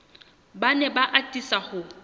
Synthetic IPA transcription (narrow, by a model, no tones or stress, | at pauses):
banɛbaʔatʼisaχʊ